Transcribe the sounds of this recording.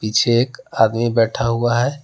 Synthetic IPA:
pit͡ʃʰeːkad̪mibɛʈʰaɦuaɦɛ

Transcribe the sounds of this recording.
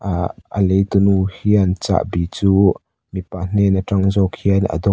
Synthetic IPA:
ə̰lejt̪unuhiant͡sa̰ʔbit͡suː | mipaʔn̥ɛnəʈ͡ʂaŋzɔkʰiənə̰d̪ɔ

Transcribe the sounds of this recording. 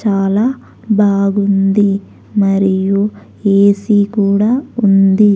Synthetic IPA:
t͡ʃaːlaː | bʱaːɡund̪i | mɐɾiju | eːsikuːɽaːund̪i

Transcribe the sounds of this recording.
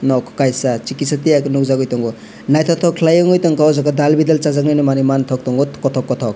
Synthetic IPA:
nɔkkajsat͡ʃikisatijaknuk̚zaɡɔjtɔŋɡɔ | najtʰɔtʰɔkʰlajɔŋɔjtɔŋkawzakadalbidelt͡ʃazak̚najnimanimantʰɔk̚tɔŋɡɔtkɔtʰɔkːɔtʰɔk̚

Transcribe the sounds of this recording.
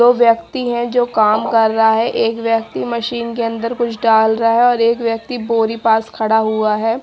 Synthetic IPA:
oːʋjəktt̪iɦɛ̃d͡ʒoːkaːmkɐɾːɐɦaɦɛʔeːkʋjək̚t̪imɐʃiːnkeɐ̃nd̪əɾkʊt͡ʃʰɖaːlɾɐɦaɦɛɔːɾeːkʋjɐk̚t̪iboːɾipaːskʰɐɽaɦuaɦɛː

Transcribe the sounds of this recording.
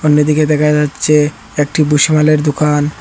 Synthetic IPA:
onːod̪iked̪ɛkʰad͡ʑatːɕʰe | ek̚ʈibuʃimaleɾd̪okan

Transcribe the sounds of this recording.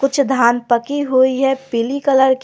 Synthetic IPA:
kʊt͡ʃʰd̪ʱaːnpɐkiɦuiɦɛpɪlikɐləɾk

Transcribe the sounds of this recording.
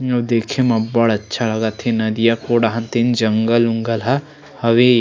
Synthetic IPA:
ɐd̪eːkʰemɐbɐɽɐtːʃʰalɐɡat̪ʰenɐd̪ijakoːɽaɦɐ̃nt̪end͡ʒɐŋɡəluŋɡɐlɦa | hɐʋe

